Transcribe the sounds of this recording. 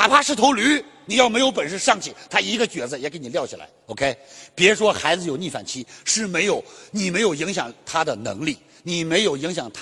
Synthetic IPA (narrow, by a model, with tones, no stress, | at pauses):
ta˨˧˩pʰa˥ʂɻ̩˥˩t̪ʰo˧˥ʊly˧˥ni˨˩jɑ˥˩ʊme˧˥ɪjo˧˥ʊpə˨˩nʂɻ̩˥˧ʂɑ˥˩ŋt͡ɕʰi˥˩t̪ʰa˥i˧˥ɡə˧t͡ɕɥɛ˨˩d͡zə˧jɛ˨˩ke˧˥ɪni˨˩ljɑ˥˩ʊt͡ɕʰḭ˨la̰˧˥ɪo˧ʊkʰe˥ɪpjɛ˧˥ʂwɔ˥xa˧˥ɪd͡zɹ̩˧jo˨˩ʊni˥˩fa̰˨˩nt͡ɕʰi˥ʂɻ̩˥˩me˧˥ɪjo˨˧˩ʊni˨˩me˧˥ɪjo˨˩ʊi˧˥ŋɕjɑ˨˩ŋt̪ʰa˥d̪ə˨nɤ̰˧˥ŋli˥˩ | ni˨˩me˧˥ɪjo˨˩ʊi˧˥ŋɕjɑ˨˩ŋt̪ʰ